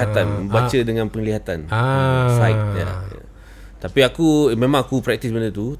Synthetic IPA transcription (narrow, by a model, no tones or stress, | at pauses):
at̪anməbat͡ʃədəŋãnpəŋliɦat̪ansajt̪̚ja̰ja̰ | t̪apiakumẽmãŋakupɾɛk̚t̪isbəndət̪u